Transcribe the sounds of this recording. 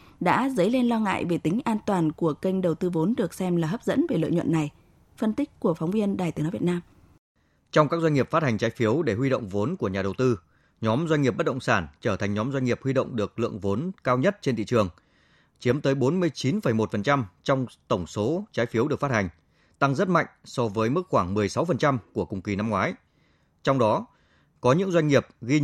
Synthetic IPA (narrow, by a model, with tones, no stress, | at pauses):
ɗa̰ː˧˥zə˨˦jle˧nlɔ˧ŋa̰ː˧˨jve˨˩t̪ï˨˦ŋ̟ʔaː˧nt̪waː˨˩nku˧˩əkə˧jŋ̟ɗə˨˩wt̪ɨ˧vo˨˦nɗɨ˨˩ək̚sɛ˧mlaː˨˩ɦəː˦˥p̚zə̰˧˥nve˨˩lɨ̰˧˨ɲw̰nːa˨˩j | fə˧nt̪i˦˥k̟̚ku˧˩əfɔ˨˦wŋ͡mvi˧ənɗaː˨˩jt̪i˨˦ənɔ˨˦v̚naː˧m | t͡ɕɔ˧wŋ͡mkaː˦˥k̚zwa˧jŋi˨˩əpfa˦˥t̚ha˨˩jŋ̟t͡ɕaː˨˦jfi˨˦əwɗe˧˩ɦwi˧ɗo̰˧˨wŋ͡mvo˨˦nku˧˩əɲaː˨˩ɗə˨˩wt̪ɨ˧ | ɲɔ˨˦mzwa˧ɲŋŋi˨˩p̚ɓə˦˥t̚ɗə̰˧˨ŋ͡msaː˧˩nt͡ɕəː˧˩t̪ʰa˨˩ŋ̟ɲɔ˨˦mzwa˧jŋ̟ŋi˨˩əp̚hwi˧ɗo̰˧˨wŋ͡mɗɨ˨˩ək̚lɨ̰˧˨əŋvo˨˦nkaː˧wɲə˦˥t̚t͡ɕe˧nt̪ʰḭ˧˨t͡ɕɨ˨˩əŋ | t͡ɕi˨˦əmt̪əː˨˦jɓo˨˦nmɨ˧əjt͡ɕi˨˦nfə˧˩jmo˨˩t̚fə˨˩nt͡ɕa˧mt͡ɕɔ˧wŋ͡mt̪ə˧˩ŋ͡mso˨˦t͡ɕaː˨˦jfi˨˦əwɗɨ˨˩ək̚faː˦˥ha˨˩ŋ̟ | t̪a˧ŋzə˦˥t̚ma̰˧˨jŋ̟sɔ˧vəː˨˦jmɨ˦˥k̚xwaː˧˩ŋmɨ˨˩əjsa˨˦wfə˨˩nt͡ɕa˧mku˧˩əkʊ˨˩ŋ͡mki˨˩na˧mŋwaː˨˦j | t͡ɕɔ˧wŋ͡mɗɔ˨˦ | kɔ˨˦ɲɨ̰˧˥ŋzwa˧jŋ̟ŋi˨˩əp̚ɣi˧